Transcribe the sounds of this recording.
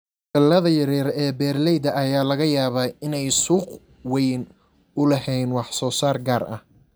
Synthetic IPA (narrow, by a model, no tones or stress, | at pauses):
kɐlɐðɐjɐɾɛːɾɛːbɛːrlɛjd̪ɐʔɐjaːlɐɣɐjaːβaːɪnɛjsuːq | wɛjn | ʊlɐɦɛjnwɑħsɔːsaːrɡaːrʔɐ̰h